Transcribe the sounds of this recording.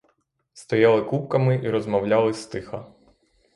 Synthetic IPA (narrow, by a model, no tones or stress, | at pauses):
st̪ɔjɑlˠɪkup̚kɐmɪʔiɾɔzmɐwlʲɑlˠɪst̪ɪxɐ